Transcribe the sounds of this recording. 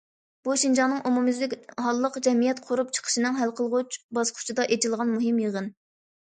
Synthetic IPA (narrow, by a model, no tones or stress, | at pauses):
b̥uʃind͡ʒɑŋnɨŋʔumumɪzlɪkʲɦɑlˠːəqd͡ʒɛmijɛt̪qʰʊɾup̚t͡ʃʰə̥qʰə̥ʃinɨŋɦælqʰəlˠʁʊt͡ʃbɑsqʰʊ̥t͡ʃʰid̪ɑʔet͡ʃʰilˠʁɑnmuɦɨmjəʁən